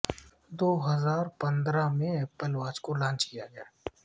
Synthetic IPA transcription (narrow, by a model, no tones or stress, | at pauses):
d̪oːɦɐzaːɾpɐ̃nd̪ɾamẽɛːpəlʋaːt͡ʃkolãːnt͡ʃkijaɡɐjaː